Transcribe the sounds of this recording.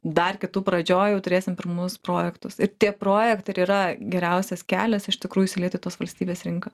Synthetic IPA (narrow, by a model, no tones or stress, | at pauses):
d̪ɐrkʲɪt̪uːpɾɐd͡ʒʲoːjɛʊt̪ʊɾʲeːsʲɪmpʲɪɾmʊspɾoːjɛkt̪ʊsɪɾt̪ʲiɛpɾoːjɛkt̪ɐɪɾiːɾɐɡʲɛɾʲɛʊsʲɛskʲæːlʲɛsɪʃt̪ʲɪkɾuːjʊisʲɪlʲiɛt̪ʊɪt̪oːsʋɐlʲsʲt̪ʲiːbʲeːsɾʲɪŋkɐː